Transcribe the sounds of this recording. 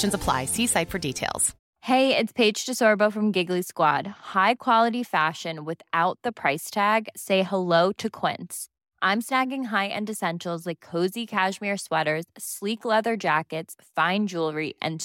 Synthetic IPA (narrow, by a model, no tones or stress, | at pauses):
ʃɨ̃nzəpʰl̥a̰ɪsisaɪtfə˞ditʰeɪlˠz̥ | heɪɪtspʰeɪd̥d͡ʒ̥tʰɨsɔɹboʊfɹʌ̃mɡɪɡliskwɑ̰d̥̚haɪkʰw̥ɑlˠəɾifæʃɨ̃nwɪθaʊt̪̚ðəpʰɹ̥aɪstʰæɡseɪhəloʊɾɨkʰw̥ɪ̰̃nts | ʔãɪ̃msnæɡɪ̃ŋɦaɪʔɨ̰̃ndɨsɛ̃nʃl̩ˠzlaɪkʰːoʊzikʰæʃmɪɹswɛɾə˞z̥sliklɛðə˞d͡ʒækɨtsfãɪ̃nd͡ʒulˠɹiʔɨ̰̃n